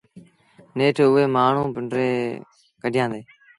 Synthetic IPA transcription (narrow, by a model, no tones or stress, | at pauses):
neːʈʰʊeːmaːɳ̤ũːpɪɳɖɾeː | kəɖʱɪjãːd̪eː